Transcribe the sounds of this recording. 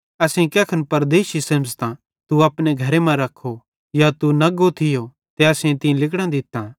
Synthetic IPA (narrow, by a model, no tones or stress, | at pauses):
ɐsẽkɛːkʰɐnpɐɾd̪eːʃisẽmst̪ã | t̪uɐpneɡʱɐɾemɛ̃ɾɐkʰːo | jat̪unɐɡot̪ʰɪjo | t̪eɐsẽt̪ĩlɪkɽ̃ãd̪ɪt̪ːã